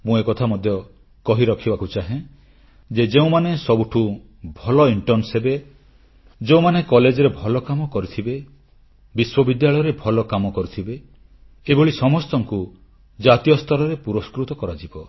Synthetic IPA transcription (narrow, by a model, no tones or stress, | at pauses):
mũekɔt̪ʰamɔd̪ʱjɔ | kɔɦiɾɔkʰibakut͡ʃaɦẽ | d͡ʒed͡ʒeũmanesɔbuʈʰu | bʱɔlɔiɳʈɔɾnsɦebe | d͡ʒeũmanekɔled͡ʒɔɾebʱɔlɔkamɔkɔɾit̪ʰibe | biswɔbid̪jaɭɔjɔɾebʱɔlɔkamɔkɔɾit̪ʰibeː | bɔɭisɔmɔst̪ɔŋku | d͡ʒat̪ijɔst̪ʰɔɾɔɾepuɾɔskɾut̪ɔkɔɾad͡ʒibɔ